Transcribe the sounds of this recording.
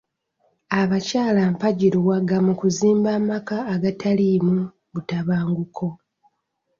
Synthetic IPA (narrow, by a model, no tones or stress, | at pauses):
aβacaːlampaɟiɾiwaɡamukuziːmbaːmakaːɡatʰalimu | βutaβaːŋɡukʰo̞